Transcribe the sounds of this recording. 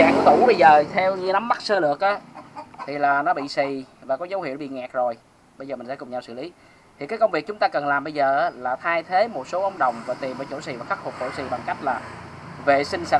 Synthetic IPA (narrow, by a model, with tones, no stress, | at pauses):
aː˧˩ŋt̪u˧˩˦ɓə˧jzəː˨˩t̪ʰɛ˧wɲɨ˧na˨˦mːa˦˥t̚səː˧lɨ˨˧˨ək̚ʔaː˨˦t̪ʰi˨˩laː˨˩nɔ˨˦ɓḭ˧˨si˨˩vaː˨˩kɔ˨˦zə˨˦whḭ˧˨əwɓḭ˧˨ŋɛ˨˩k̚zo˨˩j | ɓə˧jzəː˨˩m˨˩ŋ̟sɛ˧˥kʊ˨˩ŋ͡mɲa˧wsɨ̰˧˨li˨˦ | t̪ʰi˨˩kaː˨˦jkə˧wŋ͡mvi˨˩k̚t͡ɕʊ˨˦ŋ͡mt̪aː˧kə˨˩nlaː˨˩mɓə˧jzəː˨˩ʔaː˨˦laː˨˩t̪ʰaː˧jt̪ʰe˨˦mo˨˩t̚so˨˦ʔə˧wŋ͡mɗə˨˩wŋ͡mvaː˨˩t̪i˨˩mʔəː˧˩˦t͡ɕo̰˧˩sḭ˨˩vaː˨˩xa˦˥k̚fʰʊ˨˩k͡p̚t͡ɕo̰˧˩si˨˩ɓa˨˩ŋka˦˥jk̟̚laː˨˩ | ve˨˩sï˧ŋ̟sa̰˧˨˩